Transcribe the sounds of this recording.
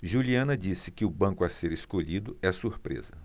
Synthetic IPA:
ʒuliɐ̃nɐd͡ʒisɪkɪʊbɐ̃kʊaseɾeskoʎid̪ʊɛsuɾpɾḛzɐ

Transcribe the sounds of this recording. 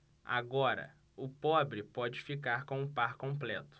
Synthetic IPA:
a̰ɡɔɾɐ̰ | ʊpɔbɾɪpɔd͡ʒɪfikaɾkõw̃ʊpaɾkõplɛt̪ʊ̥

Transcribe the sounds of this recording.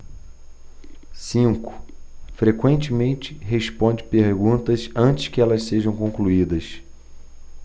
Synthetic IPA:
sĩŋkʊ̥fɾekwẽnt͡ʃɪmẽnt͡ʃɪ̥ɦespõnd͡ʒɪpeɾɡũt̪ɐsɐ̃nt͡ʃɪ̥skɪɛlɐsseʒɐ̃w̃kõkluid̪ɐs

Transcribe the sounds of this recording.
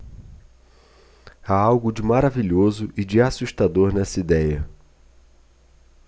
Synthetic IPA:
aawɡʊd͡ʒɪmaɾaviʎozʊʔɪd͡ʒɪasuʃt̪ad̪oɾnɛsɐid̪ɛjɐ

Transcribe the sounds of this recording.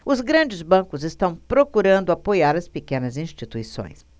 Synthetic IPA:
ʊzɡɾɐ̃d͡ʒɪzbɐ̃kʊzɪst̪ɐ̃w̃pɾokuɾɐ̃nd̪ʊapojaɾɐspekẽnɐzĩst͡ʃit̪uisõ̰j̃s

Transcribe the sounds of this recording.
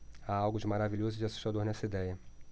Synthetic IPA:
aawɡʊd͡ʒɪmaɾaviʎozʊd͡ʒɪasu̥ʃt̪ad̪oɾnɛsɐid̪ɛjɐ

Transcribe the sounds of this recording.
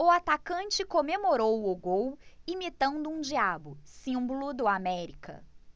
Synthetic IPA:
ʊat̪akɐ̃nt͡ʃɪkõmemoɾowʊɡowimit̪ɐ̃nd̪ʊũd͡ʒiabʊsĩmbʊlʊd̪ʊamɛɾikɐ̰

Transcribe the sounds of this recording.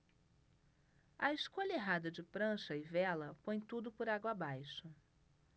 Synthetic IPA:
ɐɪʃkoʎɐeɦad̪ɐd͡ʒɪpɾɐ̃ʃɐɪvɛlɐpõj̃t̪ud̪ʊpʊɾaɡwɐabajʃʊ

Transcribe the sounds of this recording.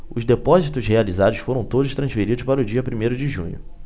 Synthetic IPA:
ʊzd̪epɔzit̪ʊshealizad̪ʊsfoɾɐ̃w̃t̪od̪ʊʃt̪ɾɐ̃sfeɾid̪ʊʃpaɾʊd͡ʒiɐpɾimejɾʊd͡ʒɪʒṵ̃ɲʊ̰

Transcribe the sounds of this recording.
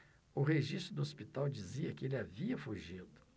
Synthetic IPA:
ʊɦeʒist̪ɾʊd̪ʊospit̪awd͡ʒiziɐkɪelɪaviɐfuʒid̪ʊ

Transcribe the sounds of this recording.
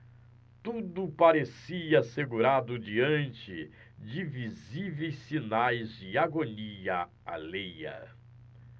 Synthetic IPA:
t̪ud̪ʊpaɾesiɐaseɡuɾad̪ʊd͡ʒiɐ̃nt͡ʃɪ | d͡ʒɪvizivejsinajzd͡ʒɪaɡoniɐ | a̰lejɐ̰

